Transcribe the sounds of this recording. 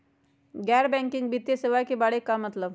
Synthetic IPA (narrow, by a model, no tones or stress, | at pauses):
ɡɛɾbɛ̃ŋkiŋɡ̚bʱit̪jeseʋajkibaɽekːamət̪ləb